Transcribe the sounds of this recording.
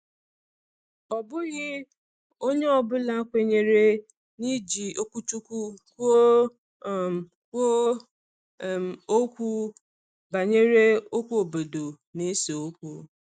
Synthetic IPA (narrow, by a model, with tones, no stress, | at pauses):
ɔ˨bʊ˦ɣɪ˦ | o˦ɲe˦ɔ˨bʊ˦la˦kʷe˨ɲe˨ɾe˦ | ni˦d͡ʒi˨o˦kʷu˦t͡ʃu˦kʷu˦kʷo˦ | kʷo˦˨ | o˦kʷu˦ | ba˨ɲe˦ɾe˦o˦kʷu˦o˨bo˨do˨ | ne˦se˨o˦kʷu˦